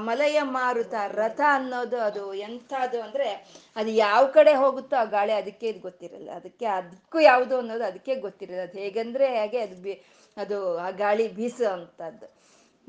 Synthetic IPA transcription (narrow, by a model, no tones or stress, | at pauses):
mɐlɐjɐmaːɾut̪ɐɾɐt̪ʰɐːnːoːd̪uɐd̪uent̪ʰaɐd̪uɐnd̪ɾe̞ɐd̪ujaːʋɐkɐɽe̞ɦo̞ːɡut̪ːuaːɡaːɭiɐd̪ɐkːe̞id̪ɡo̞t̪ːiɾɐ̰lːḭɐd̪ɐkːe̞ɐd̪ɐkːuːjaːʋud̪uɐnːo̞ːd̪uɐd̪ɐkːe̞ɡot̪ːiɾɐlːiɐd̪uɦeːɡɐnd̪ɾe̞ɦaːɡe̞ɐd̪ubi | ɐd̪uaɡaːɭibʱiːsɐnt̪ɐd̪ːu